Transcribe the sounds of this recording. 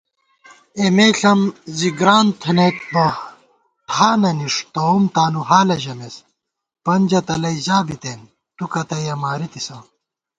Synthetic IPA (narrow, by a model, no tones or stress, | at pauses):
emeːɬɐmziɡɾaːnt̪ʰɐnet̪bɐ | ʈʰaːnɐniʂt̪oumt̪aːnuɦaːlɐʑɐmes | pɐnʲd͡ʑɐt̪ɐlɐjzaːbit̪eːn | t̪ukɐt̪ɐjɐmaːɾit̪isãː